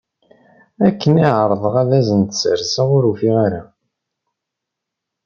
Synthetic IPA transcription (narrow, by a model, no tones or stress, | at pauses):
ækːəniʕəɾˤðˤəʁæðæzənt̪sə̰ɾsaʁʊɾufiʁaɾa